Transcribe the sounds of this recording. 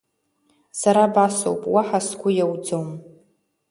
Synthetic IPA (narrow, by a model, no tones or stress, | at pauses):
saɾabaso̰wpʼwaħasɡʷʊjawd͡zowm